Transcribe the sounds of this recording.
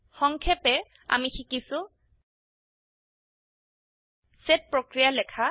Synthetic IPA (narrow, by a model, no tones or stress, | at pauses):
xɔŋkʰɛpɛ | a̰mixikisʊ | sɛt̚pɹokɹijalɛkʰa